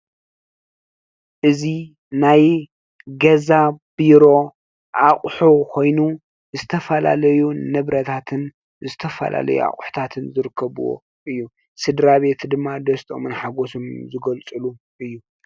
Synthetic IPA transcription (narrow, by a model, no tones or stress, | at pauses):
ʔɨzi | naj | ɡɐzab̥iɾo̞ | ʔaχʼħukʰo̞jnu | zɨt̪ʰɐfɐla̰lɐjunɨβɾɐt̪ʰat̪ʰɨn | zɨt̪ʰɐfɐ̰lʔa̰lɐ̰jṵa̰χʼħu̥t̪ʰat̪ʰɨnzɨɾɨkːɐβuwo̰ | ʔɨjːu | sɨd̪ɾaβe̞t̪ʰd̪ɨmːad̪ɐst̪ʼo̰mɨnħaɡo̞somzɨɡɐlt͡sʼɨlu | ʔɨjːu